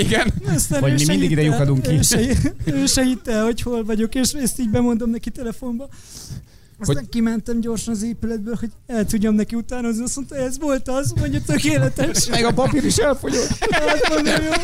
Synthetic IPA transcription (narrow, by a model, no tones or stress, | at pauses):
iɡɛnɛst̪anɒmiminiɡid̪ɛjukɒd̪uŋkiʃɛiøːʃɛɡit̪ːɛlho̞cho̞lvɒɟo̞keːʃeːst̪iːɟbɛmo̞nd̪omnɛkit̪ɛlɛfo̞mbɒ | ɛskimɛnt̪ɛmɟo̞rʃɒnɒzeːpylɛd̪̚bøːlho̞ɟɛlt̪uɟːɒmnɛkiut̪aːnozniɒso̞nt̪ɑɛzʋo̞lt̪ɒzmoɲɟot̪økeːlɛt̪ɛʃmɛɡɒpɒpiɾiʃɛlfo̞ɟot̪ɛzmonomjoː